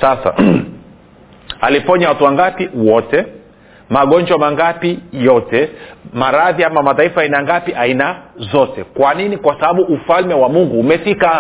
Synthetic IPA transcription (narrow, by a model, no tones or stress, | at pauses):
sasa̰ | alipɔɲawatuwaŋɡapiwɔtɛ | maɠɔɲd͡ʒwamaŋɡapijɔtɛmaɾaðiamamataifaːinaŋɡapiʔainazɔtɛkwaninikwasaɓaɓuʔːfalmɛwamuŋɡuːmɛfika